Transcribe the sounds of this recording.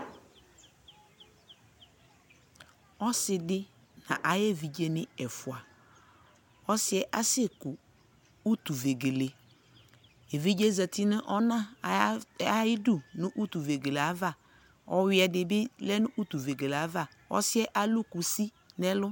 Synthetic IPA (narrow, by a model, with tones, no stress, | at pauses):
ɔ˦sɪ˨dɪ˦ | nã̰˨ʔa˨jɛ˦˨vi˨d͡ʒe˦nɪ̃˦ɛ˨fʊ˨a˨ | ɔ˦sɪ˦ɛ˦ʔa˦sɛ˦kʊ˨ | u˦t̪u˨ve˨ɡe˨le˨ | e˨vi˦d͡ʒe˦zə˨t̪ɪ˦nɪ̃˦ʔɔ˦nã˦˨ | a˦jɪ˦du˦˨nʊ̃˦ʔu˦t̪u˨ve˨ɡe˨le˨a˨˦va˦˨ | ɔ˨wɪ˦ɛ˨dɪ˨bɪ˦lɛ˦nʊ̃˦ʔu˦t̪u˨ve˨ɡe˨le˨a˨˦va˦˨ | ɔ̰˦sɪ˦ɛ˦ʔa˨lʊ˦ku˨si˦ | nɛ˦lʊ˦